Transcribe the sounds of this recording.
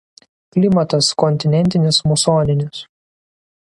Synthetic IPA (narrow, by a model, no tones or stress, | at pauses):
klʲɪmɐt̪ɐskɔnʲt̪ʲɪnʲɛnʲt̪ʲɪnʲɪsmʊsoːnʲɪnʲɪs